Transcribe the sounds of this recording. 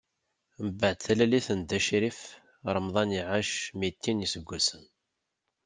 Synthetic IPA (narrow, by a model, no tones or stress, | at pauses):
məbaʕd̪θælæliθənd̪æʃɾif | ɾˤəmðˤɑniʕaʃmit̪ːinjisəɡʷːæsən